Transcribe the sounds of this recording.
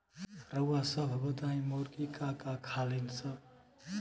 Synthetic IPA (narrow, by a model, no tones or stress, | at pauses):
ɾəwasəbʱbəd̪aĩmoɾkikakakʰalinsə